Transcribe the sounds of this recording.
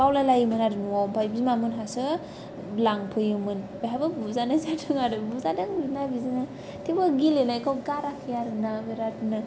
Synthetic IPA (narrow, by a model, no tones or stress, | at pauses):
bawlalajɯmɯnaɾɯnuwawmpʰajbizmamɯnɦasɯ | laŋpʰɯjɯmɯnbaɦabɯbuzanazatʰɯŋaɾɯbuzadɯŋbinabizanɯ | tʰibɯɡilenakʰawɡaɾakʰijaɾɯnabeɾatnɯ